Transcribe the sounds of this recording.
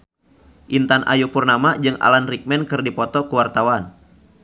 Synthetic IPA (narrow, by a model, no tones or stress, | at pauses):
ʔint̪anʔa̰jupurnamad͡ʒɨŋa̰lanrik̚mɛnkɨrdipɔt̪ɔkuwart̪awan